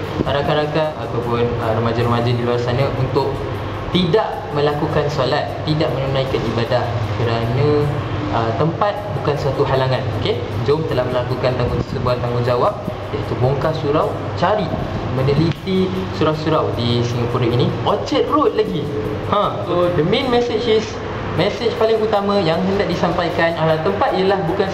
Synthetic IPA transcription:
ɾakaɾakaat̪awpʊnəɾəmãd͡ʒaɾəmãd͡ʒadiluarsanãʔunt̪ʊʔ̚ | t̪idaʔ | mə̃lakukansolat̪ːidaʔ̚mə̃nunãikanibadahkəɾanãət̪əmpat̪̚bukansat̪uɦalaŋãnoke | d͡ʒomt̪əlahmə̃lakukant̪aŋɡʊ̃nt̪ə̥səbuant̪aŋɡʊnd͡ʒawap̚ | jaʔit̪uboŋkasuɾaw | t͡ʃaɾimə̃nəlit̪isuɾawsuɾawdisiŋapuɾainiʔot͡ʃɛt̪̚ɾut̪̚laɡi | hãsodəmẽnmɛset͡ʃis | mɛset͡ʃpalɪŋut̪amãjaŋɦəndaʔ̚disampajkanalalt̪əmpat̪̚ijəlahbukan

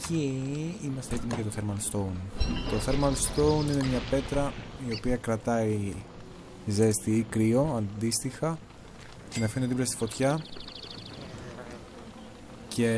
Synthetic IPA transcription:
ciimɐst̪eet̪imoʝɐt̪oθeɾmɐlst̪ownt̪o̞θeɾmɐlst̪ounine̞mɲɐpe̞t̪ɾɐio̞piɐkɾɐt̪ɐi | ze̞st̪iikɾio̞ɐnd̪ist̪ixɐ | cenɐfinðipɾɐst̪ifo̞t̪çɐ | cʰe

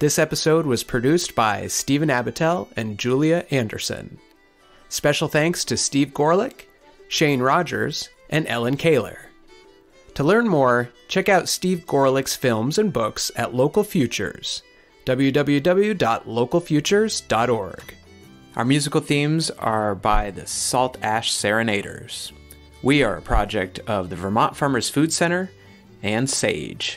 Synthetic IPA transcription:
ðɪsɛpəsoʊd̚wʌz̥pʰɹ̥ɨdʉsb̥aɪstivɨ̃næbɨtʰɛlˠɨ̃nd͡ʒʉlˠiɨʔæ̃ndə̰˞sɨ̰̃n | spɛʃl̩ˠθæ̃ŋkstʰɨstivɡɔɹlˠɪk | ʃẽɪ̃nɹɑd͡ʒə̰˞z̥ | ʔɨ̃nɛ̰lˠə̃nkʰeɪlˠə̰˞ | tʰəlɜ̃˞nmɔɹt͡ʃʰɛkaʊtstivɡɔɹlˠɪksfɪlˠmzɨ̃nbʊksɨ̰tˡloʊkl̩ˠfjʉt͡ʃə̰˞z̥ | d̥ʌblˠjʉdʌbl̩ˠjʉdʌbl̩ˠjʉdɑtˡloʊkl̩ˠfjʉt͡ʃə˞z̥dɑɾɔɹɡ̥ | ʔaʊə˞mjʉzɨkl̩ˠθĩmzə˞baɪðɨsɔlˠtʰæʃsɛɹɨneɪɾə̰˞z̥ | wiə˞ɨ̰pʰɹ̥ɑd͡ʒɛk̚tʰʌvðɨvə˞mɑ̃ntfɑ̃˞mə˞z̥fʉd̥sɛ̃ɾ̃ə˞ | ɨ̃nsḛɪd̥ʒ̥

